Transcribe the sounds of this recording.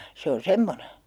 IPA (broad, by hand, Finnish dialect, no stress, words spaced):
se on̞ semːone